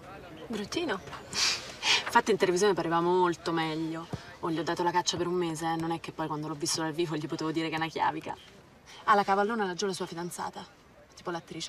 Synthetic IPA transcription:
bɾut̪ːiːno | fat̪ːiːnt̪elevizjonepaɾevamomolt̪omɛʎːooʎːiɔd̪ːaːt̪olakat͡ʃːapeɾumːeːzenonɛkːepːɔjkwand̪olɔvːist̪od̪alviːfoʎːipot̪eːvod̪iːɾekɛnakja̰ːvika̰ | alːakavalːoːnalad͡ʒolasuːafid̪ant̪sa̰ːt̪a | t̪iːpolat̪ːɾiːt͡ʃe

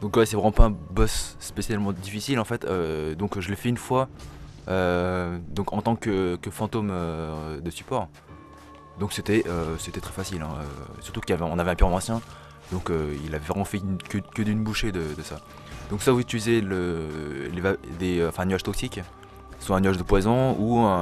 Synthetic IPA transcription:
d̪ɔ̃kwɛsɛvʁɛmɑ̃paɛ̃bɔsːpesjalmɑ̃d̪ifisilɑ̃fɛt̪ød̪ɔ̃kʒəlɛfɛynfwa | ød̪ɔ̃kɑ̃t̪ɑ̃kəkəfɑ̃t̪omød̪əsy̥pɔʁ | d̪ɔ̃kset̪ɛʔøset̪ɛt̪χɛfasilɛ̰̃ø̰syʁt̪ukiljavɛɔ̃navɛɛ̃pyʁmɑ̃sjɛ̃ | d̪ɔ̃køilavɛvʁɛmɑ̃fɛynkəkəd̪ynbuʃed̪əd̪əsa | d̪̥ɔ̃ksavuzit̪ylizeləlevad̪eɑ̃fɛ̃ɛ̃nɥaʒt̪ɔksik | swaɛ̃nyaʒd̪əpwazɔ̃uɛ̃

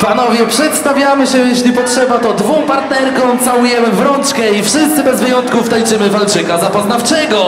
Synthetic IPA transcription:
panɔvʲjɛpʂɛt̪st̪avʲjamɘɕɛjeɕlʲipɔtʂɛbat̪ɔd̪vɔ̃w̃paɾt̪nɛɾkɔ̃w̃t̪sawujɛmɘvɾɔnt͡ʂkɛifʂɘst̪sɘbɛzvɘjɔnt̪kuft̪ajt͡ʂɘmɘvalt͡ʂɘkazapɔznaft͡ʂɛɡɔ

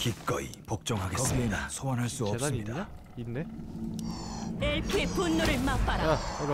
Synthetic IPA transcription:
kip̚k͈ʌ̰ḭpok̚t͡ɕ͈ʌŋɦaɡeʌɡienasʰowanɦaɭs͈uʌps͈ɯmɲida | ne | eɭpʰepunːuɾɯɭmap͈aɾa

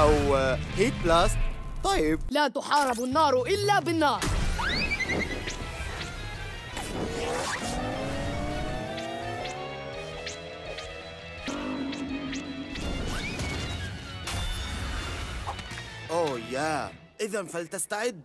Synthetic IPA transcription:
ʔawhiːt̪̚blaːst̪ | t̪ˤːɑjɪb̚lat̪ʊħɑːɾˤɪbnːɑːɾˤʔɪlːabɪnːɑːɾˤ | ʔoːjaː | ʔɪðanfalt̪ast̪aʕɪd̪ː

